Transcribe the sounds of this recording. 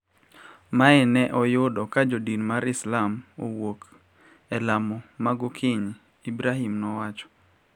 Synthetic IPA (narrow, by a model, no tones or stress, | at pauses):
maɛnɛʔɔjʊdɔkad͡ʒodinmaɾɪslamo̰wok | ɛlamɔmaɡʊkʰɪɲ | ibɾaɦimnɔwat͡ʃɔ̥